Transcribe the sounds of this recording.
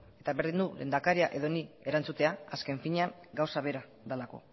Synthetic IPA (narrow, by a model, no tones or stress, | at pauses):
e̞t̪aβe̞ɾðind̪ule̞̰ːnd̪akaɾiaʔe̞ðo̞nie̞ɾant͡sut̪e̞aaske̞ɱfiɲeaŋɡawsaβ̞e̞ɾa | ðalako̞̰